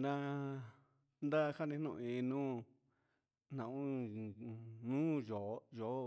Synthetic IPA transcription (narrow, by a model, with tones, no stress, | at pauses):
nã˧ | nd̪a˦˧ha˦nĩ˧nũ˦˧ĩ˧nũː˦ | n̥nã˨ũ˦ | nũː˦jo˨˦jo˨˦